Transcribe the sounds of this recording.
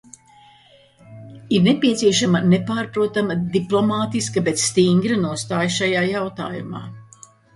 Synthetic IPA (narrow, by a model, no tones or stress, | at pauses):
iɾnepʲiɛt̪siɛʃamɐnepaːɾpɾuɔt̪amɐd̪iplˠɔmaːt̪iskɐbet̪sst̪iŋɡɾɨnuɔst̪aːjʃajaːjawt̪a̰ːjuma̰ː